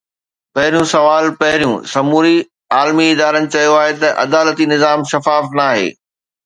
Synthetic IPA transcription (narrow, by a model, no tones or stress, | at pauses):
pɐɦɪɾjũsɐʋaːlpɐɦɪɾijũsɐmuːɾi | aːlmiɪd̪aːɾənɪ̆t͡ɕɐjoaːɦet̪ɐʔɐ̰d̪aːlət̪inɪzaːmʃɐfaːfnaːɦḛː